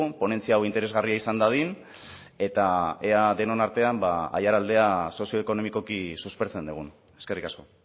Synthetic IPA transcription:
upo̞ne̞nt͡siaːwint̪eɾe̞zɣariaisand̪aðin | e̞t̪aeaðe̞no̞naɾt̪e̞ambaa̰jaɾald̪e̞aso̞sio̞eko̞no̞miko̞kisuspeɾt͡se̞nd̪uɣ̞un | e̞ske̞rikasko̞

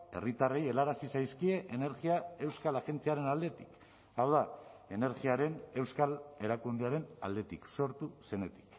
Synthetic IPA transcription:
e̞̰rit̪areje̞laɾasisajskie̞ʔene̞ɾɣiae̞wskalaɣe̞nt͡siaɾe̞nald̪e̞t̪i̥k | awðae̞ne̞ɾɣiaɾe̞ne̞wskale̞ɾakund̪eaɾe̞na̰ld̪e̞t̪ikso̞ɾt̪use̞ne̞t̪i̥k

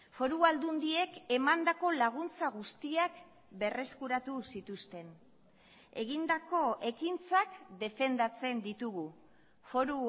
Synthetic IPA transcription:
fo̞ɾuald̪und̪ie̞ke̞mand̪ako̞laɣ̞unt͡saɣ̞ust̪iak | be̞re̞skuɾat̪usit̪ust̪e̞n | e̞ɣind̪ako̞ʔe̞kint͡sakd̪e̞fe̞nd̪at͡se̞nd̪it̪uɣu | fo̞ɾu

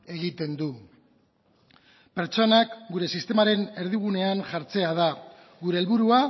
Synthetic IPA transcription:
e̞ɣit̪e̞nd̪u | pe̞ɾt͡ʃo̞nakɡuɾe̞sist̪e̞maɾe̞ne̞ɾð̞iɣ̞une̞anʝaɾt͡se̞að̞a | ɣuɾe̞ːlβuɾua

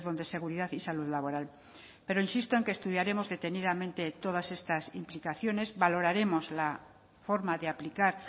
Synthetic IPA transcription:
ðo̞nd̪e̞se̞ɣuɾiðaðisaluðlaβ̞o̞ɾal | pe̞ɾoinsist̪o̞eŋkeːst̪uð̞jaɾe̞mo̞zðe̞t̪e̞niðamẽnt̪e̞t̪o̞ð̞ase̞st̪asimplikaθjo̞ne̞zβalo̞ɾaɾe̞mo̞zla | fo̞ɾmaðeaplikaɾ

